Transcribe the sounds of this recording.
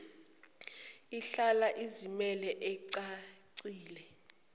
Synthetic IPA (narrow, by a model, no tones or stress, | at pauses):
iɬalaʔizimɛlɛʔɛǀaǀiːlɛ